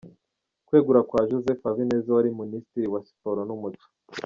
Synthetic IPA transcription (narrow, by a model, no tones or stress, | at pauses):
kwe̞ːɡuɾakwaʒozefavineːzawaɾiministiɾiwasi̥poɾonumut͡ʃu̥